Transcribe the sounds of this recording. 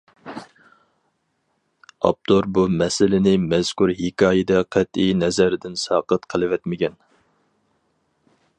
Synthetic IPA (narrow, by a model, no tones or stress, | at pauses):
ɑ̰p̚t̪ʰoɾbumɛsɪlɪnɪmɛz̥kuɾɦɪkʰɑːjɪd̪ɛqʰɛt̪inɛzɛɾɪd̪ɪnsɑːqət̪qʰəlˠɨvɛt̪mɪkʲɛn